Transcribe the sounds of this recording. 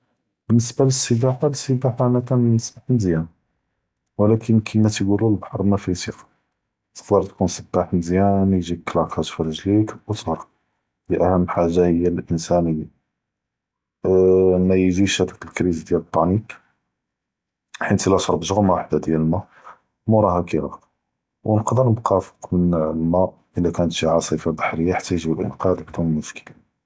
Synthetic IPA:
bənːəsbaləsːəbaħaləsːəbaħanækænnəsbaħnzjæn | wəlækʰənkʰəmæt̪ɡululbħɑɾˤmæfit̪iq | t̪ə̥xd̪ɑɾˤt̪kunsəbːaħnzjænjʒikːlækhæt̪fɑɾˤɑʒlikwət̪ɾˤɑ | d̪iʔæhəmːəlħaʒːahəjːælʔənsæni | nːæjʒiʃæd̪əkəlkɾizd̪jælət̪ˤːɑnik | ħint̪ilæʃɑɾˤbʒəɣmawaħd̪ad̪jælmæ | muɾˤɑhækiɾɑ̰ | wnəqd̪əɾməqɑfə̥qmənlmæ | ʔəlːækænət̪ʃiʕaasˤifabaħɾəjːaħat̪ʰːæjʒibəlʔə̰nqɑd̪bd̪unəlmʊʃkəla

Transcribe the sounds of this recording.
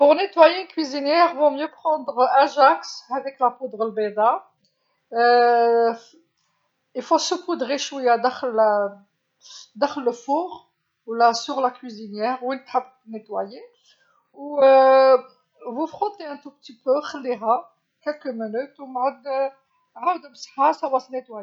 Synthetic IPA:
pʊʁnet̪wajekwizinjɛʁvɔ̃mjøpχɑ̃d̪ʁɛ̃ʒaksævɛklapud̪ʁəlbed̪a | ifosəpud̪ʁeʃwəjad̪axl | d̪aχlːəfuʁ | wlasyʁlakwizinjɛʁwinət̪ħab | net̪waje | u | vufʁɔ̃t̪eæ̃t̪upt̪ipøxəlːiɦa | kɛlkəmənut̪umʕəd̪ | ʕawəd̪məsħasawɑsnet̪waj

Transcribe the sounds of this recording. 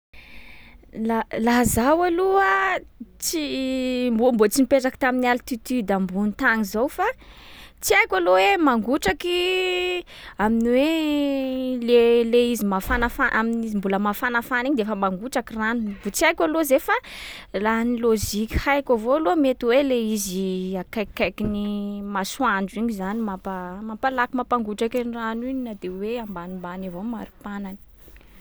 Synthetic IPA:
lalaɦzawaluə | t͡simbumbot͡simipeʈ͡ʂaki̥t̪aminialit̪it̪yd̪ambunit̪aŋizowfa | t͡siajkʲalowemaŋɡuʈ͡ʂaki | aminiwe | leleizimafanafaʔaminizimbuləmafanafaniɲid̪eefəmaŋɡuʈ͡ʂakiranubut͡siajkʲalozefalaniloʒikʲhajkʲavoalomet̪iweleiziakajkajkinimaswaɳɖ͡ʐiɲizanimapamampalakimapaŋɡuʈ͡ʂakaniraniɲinad̪eweambanimbanavoma̰ɾupanani̥

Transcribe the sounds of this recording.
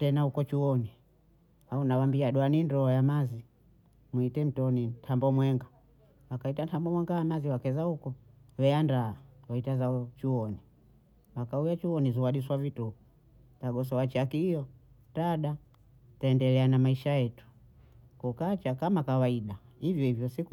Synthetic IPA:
tɛnahukɔt͡ʃuwɔni | haunawambiaɗuanindɔɔjamazi | mwuitɛm̩tɔnintʰambɔmwɛŋɡa | wakaitantambɔmwɛŋɡaamaziwakɛzaukɔ | wɛandaawaitazaɔt͡ʃuwɔni | makaujat͡ʃuwɔnizuwaɗiswavituu | taɡɔs̬ɔwat͡ʃakiijɔ | taɗa | taɛndɛlɛanamaiʃajɛtu̥ | kukat͡ʃakamakawaiɗa | ivjɔivjɔsik

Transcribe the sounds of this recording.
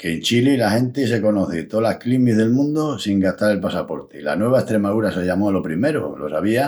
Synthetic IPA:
keːnt͡ʃililaxẽ̞nt̪is̬e̞ko̞noθet̪olaklimizðe̞lmũnd̪osiŋɡat̪aɾe̞lpasapo̞ɾt̪ela̰nwe̞β̞aest̪ɾe̞maðuɾaseʎamolo̞pɾime̞ɾo̰lo̞̰saβia

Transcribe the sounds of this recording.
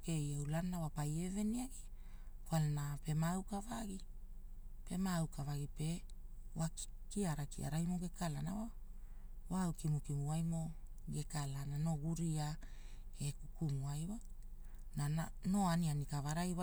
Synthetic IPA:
ke̞jewlanːawapaje̞ve̞niaɡi | fwalnape̞mawkavaɡi | pe̞mawkavaɡipe̞ | wak | kiaɾakia̰ɾajmoɡe̞kalana̰wa | wawkimukimuajmo̞ | ɡe̞kalanano̞ɡuɾia | e̞kukumuajwa | nano̞anianikavaɾajwa

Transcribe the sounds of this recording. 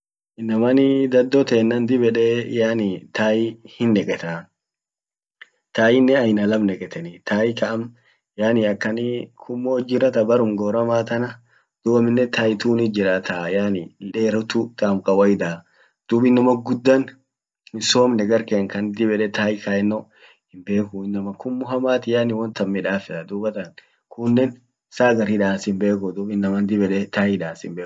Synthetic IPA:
ʔɪnːɐmɐnɪd̪ɐd̪ːɔt̪eːnːɐnd̪ɪbɛᶑeːjaːnɪt̪ʰaːjɪhɪnːɛkʼɛt̪a | t̪aːjɪnːɛɐjnɐlɐmnɛkʼɛt̪ɛnɪt̪ʰaːjɪkɐʔɐm | jaːnɪɐkːɐnikʰʊmːoːd͡ʒɪɾɐt̪ɐbɐɾʊmɡoːɾɐmaːt̪ɐnɐ | d̪̥ʊbɐmɪnːɛt̪aːjt̪uːnɪd͡ʒɪɾaːt̪ʰajaːnɪᶑeːɾʊt̪ut̪aːmkʼɐwɐjd̪aː | d̪̥uːbɪnːɐmɐɡʊd̪ːan | hɪnsoːmnɛɡɐɾkeːŋkɐnd̪ɪbɛᶑɛt̪aːjkaːɛnːo | hɪmbe̞ːkʊɪnːɐmɐkʊmːʊɦɐmaːt̪ɪjaːnɪwɐnt̪ɐmːɪᶑaːfɛt̪ɐd̪uːbɐt̪ɐŋ | kʰʊnːɛn | saːɡɐɾɪᶑaːsɪmbe̞ːk̬ʊd̪uːbɪnːɐmɐnd̪ɪbɛᶑɛt̪aːjɪᶑaːsɪmbeː

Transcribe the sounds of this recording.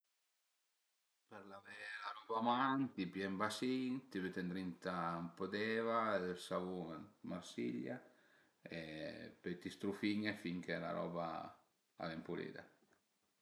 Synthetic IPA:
pɛɾlavɛlaɾɔːbamant̪ipjɛmbasint̪iβet̪end̪ɾint̪ampod̪ɛːvaed̪elsavuŋmaɾsḭʎːa | epøjt̪ist̪ɾufiɲːefiŋkela̰ɾɔ̰ːba | a̰lɛmpulḛːd̪a̰

